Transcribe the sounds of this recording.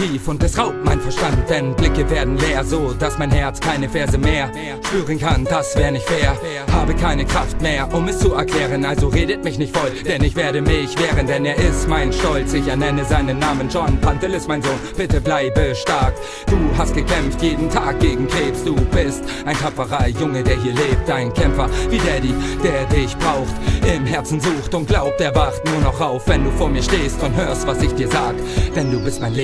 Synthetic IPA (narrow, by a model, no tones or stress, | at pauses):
tiːfʊnt̚ɛsʁaʊp̚tmaɪnfɛɐʃtantd̥ɛnblɪkəveːɐdn̩leːɐzoːdasmaɪnhɛɐt͡skʰaɪnəfɛːɐzəmeːɐ | ʃpyːʁənkʰand̥asv̥ɛːɐʁənɪçtfeːɐ | haːbəkʰaɪnəkʁ̥aftmeːɐʔʊmɛst͡suɛɐkl̥ɛːʁ̞ənʔalzoʁeːdətmɪçnɪçtfɔld̥ɛnɪçv̥eːɐɾəmɪçv̥ɛːʁəndɛneːɐɪstmaɪnʃtɔlt͡sɪçɛɐnɛnəzaɪnənːaːmənd͡ʒɔnpʰantəlɪstmaɪnzoːnb̥ɪtəblaɪbəʃtaɐk | d̥uːɦast̚ɡ̥əkʰɛmftjeːdn̩tʰaːk̚ɡ̥eːɡŋ̩kʰeːpsd̥uːb̥ɪstʔaɪntʰapfɐʁaɪjʊŋədeːɐɦiːɐleːp̚t̚d̥aɪnkʰɛmfɐviːdeːɐdiːd̥eːɐdɪçb̥ʁaʊxtɪmɦɛɐt͡sn̩zuːxtʊnt̚ɡ̥laʊp̚teːɐvaχt̚nuːɐnɔχʁaʊfv̥ɛnduːfoːɐmiːɐʃteːstʊnthøːɐstv̥asɪçd̥iːɐzaːɡəd̥ɛnduːbɪstmaɪn